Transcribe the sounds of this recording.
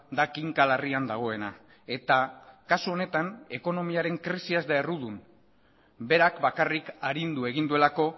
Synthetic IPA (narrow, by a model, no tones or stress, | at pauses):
d̪akiŋkalariand̪aɣ̞o̞e̞na̰ | e̞t̪akasuo̞ne̞t̪ane̞ko̞no̞miaɾe̞ŋkɾisiazd̪ae̞ruðun | be̞ɾakbakarikaɾind̪ue̞ɣ̞ind̪ue̞lako̞